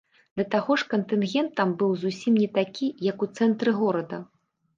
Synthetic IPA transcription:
d̪ɐt̪aɣɔʂkɐnt̪ɨnɣʲɛnt̪ːɐmbɨwzusʲimnʲɛt̪akʲijɐkut̪sɛnt̪ɾɨɣɔɾɐd̪ɐ̰

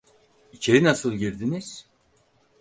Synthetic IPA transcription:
icʰe̞ɾinasɯlˠɟiɾd̪iniz̥

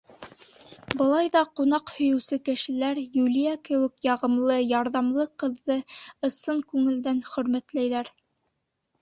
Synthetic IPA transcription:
bɤ̆lˠɑjðɑqunɑqhɵ̆jɵ̆wsɘkɘ̆ʃɘ̆læɾjulijækɘ̆wɘ̆kjɑʁɤ̆mlˠɤjɑɾðɑmlˠɤqɤ̆ðːɤɤ̆sɤɴkʉŋɘ̆ld̪ænχɵ̆ɾmæt̪læjðæɾ

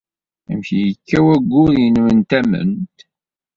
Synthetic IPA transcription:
æmçijəkːæwæɡʷːʊðjənwənt̪æmə̰nt̪

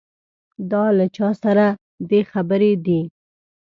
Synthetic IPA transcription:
d̪ɑlat͡ʃɑsaɾa | d̪exabəɾed̪i

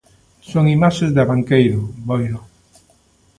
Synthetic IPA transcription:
soŋimaʃezd̪aβaŋkejɾʊbojɾo

